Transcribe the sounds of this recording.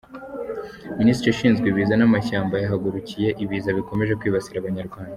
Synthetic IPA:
miniːst̪ɾeʃiːnzɡwiβiːzanamaçaːmbajaɦaɡuɾucije̞ʔiβiːzaβiko̞me̞ʒe̞kwiːβasiɾaβaɲaɾɡwaːnda

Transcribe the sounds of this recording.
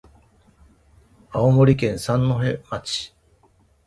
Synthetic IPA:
aomo̞ɾʲikẽ̞ɰ̃sãnːo̞ɦe̞mat͡ɕi̥

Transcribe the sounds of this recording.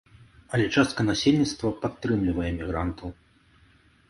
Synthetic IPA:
ɐlʲɛt͡ʂast̪̚kɐnasʲelʲnʲit̪st̪vɐpat̪ːɾɨmlʲivɐjɛmʲiɣɾant̪ʰɐw

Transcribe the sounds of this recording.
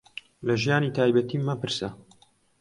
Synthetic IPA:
lɐʒijaːniːt̪ʰaːjbɐt̪iːmɐpɨɾsɐ

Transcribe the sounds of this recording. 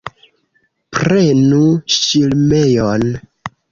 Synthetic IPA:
pɾe̞nuʃilmejon

